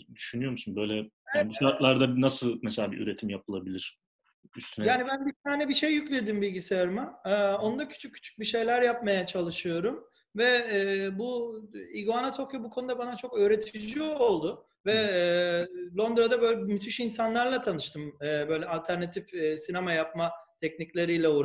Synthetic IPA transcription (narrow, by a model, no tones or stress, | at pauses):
d̪yʃynyjo̞ɾmsunbø̞jlʲɛ | aɛbuat̪lˠaɾd̪abnasɯlˠmɛselʲaːbḭʔy̰ɾet̪ʰimjapʰɯlˠabilʲiɾ̥ | yst̪ʰynjaːnibænbiɾt̪ʰaːnɛbiʃe̞jːyclʲe̞d̪imbilʲɟiseaɾɯmaɯo̞nud̪acʰy̥t͡ʃʰyccʰːy̥t͡ʃʰy̥c̚biʃe̞jlʲæɾjap̚majat͡ʃʰalˠɯʃɯjo̞ɾum | vɛːbuiɡoanat̪ʰokjobukʰo̞nud̪abanat͡ʃʰo̞kø̞ːɾe̞t̪ʰid͡ʒiolˠd̪ʊ | vɛ | lˠo̞nd̪ɾad̪abø̞jlʲɛbmyt̪ʰyʃinsanlˠaɾlˠat̪ʰanɯʃt̪ʰɯmɯːbø̞jlʲɛalʲt̪ʰæɾnat̪ʰifsinamajap̚mat̪ʰɛcniclʲe̞ɾijlʲɛuɾ